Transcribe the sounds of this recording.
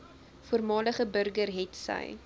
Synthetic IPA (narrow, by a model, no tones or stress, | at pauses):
fuərmɑːləχəbərɡərɦɛtsə̰j